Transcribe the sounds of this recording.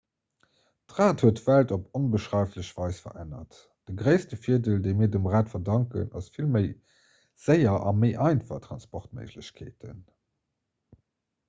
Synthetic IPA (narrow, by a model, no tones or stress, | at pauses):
tʁaːthuətv̥æltoponbəʃʁɑɪfləɕv̥ɑɪsfɐ̰ʔænɐ̰t | d̥əɡʁəɪstəfiədəldeɪmiːɐdəmʁaːtfɐdɑŋkə̰nɑ̰sfilməɪ | z̥əɪɐʔɑ̰məɪʔɑɪnfɑ̰χtʁɑnspɔχtmə̰ɪʑləɕkʰḛːtʰən